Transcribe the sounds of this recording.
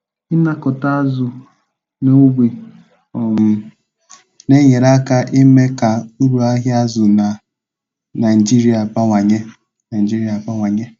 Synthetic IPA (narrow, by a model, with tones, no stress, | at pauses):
ɪ˦na˦kɔ˨ta˦a˦zʊ˨ | no˦bi˨ | ɔ˨ŋʊ˨˦ | ne˦ɲe˨ɾa˦ka˦ʔɪ˦me˦ka˨u˦ɾu˨a˦ɦja˦zʊ˨na˨ | na˨ɪ˨d͡ʒi˦ɾi˦a˨pa˦ŋʷa˨ɲe˦ | na˨d͡ʒi˦ɾi˨˦a˨pa˦ŋʷa˨ɲe˦